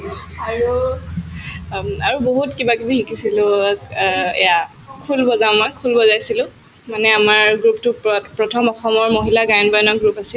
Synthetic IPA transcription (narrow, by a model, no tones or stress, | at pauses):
aɹu | aɹuboɦutkibakibiɦikisilʊ | ɛ̰ja | kʰulbɔzamakʰulbɔzajsilʊ̃ | manɛamaɹɡɹuptʊpɹɔtʰɔmɔxɔmɔɹmoɦilaɡajɔnbajɔnɔkɡɹupasil